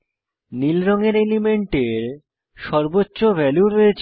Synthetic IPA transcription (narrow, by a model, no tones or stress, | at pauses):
nilɾɔŋeɾelimeɳʈeɾ | ʃɔɾbotːɕobʱɛluɾoet͡ɕʰ